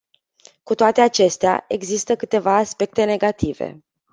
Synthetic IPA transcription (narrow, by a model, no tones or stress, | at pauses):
kut̪oat̪e̞at͡ʃe̞st̪ea̰e̞ɡzist̪əkɨt̪e̞vaːspe̞k̚t̪e̞ne̞ɡat̪ive̞̰